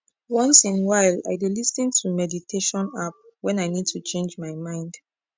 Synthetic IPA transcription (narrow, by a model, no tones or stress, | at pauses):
wɔ̃nsĩnwaɪla̰jdilisĩntʰumɛditʰeʃɔ̃nap̚ | wɛ̃naɪnid̚tʰut͡ʃʰẽnd͡ʒmajmãɪ̃nd̥